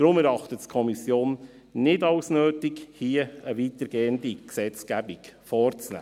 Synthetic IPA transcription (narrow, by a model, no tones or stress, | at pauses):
d̥ɾʊmɛɾɑχtəttkʰɔmisjoːn | nɪdɑʊsnøːtɪkhiːəəʋiːtəɾɡeːəndiksɛt͡skæbikfɔːrt͡snæ̰ː